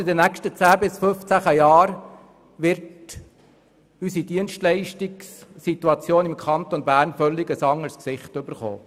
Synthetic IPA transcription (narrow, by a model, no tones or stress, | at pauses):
ɪdənækʃtət͡sæːbɪsføft͡sæχəjɑːɾ | ʋɪɾt | ysidiənʃtlɛɪʃtiksːit̪uɑt͡sjoːnɪmkʰχɑnt̪ɔnbæːɾnfœlːɪɡəsɑŋːəɾsksɪχtʏb̥əɾχo̰ː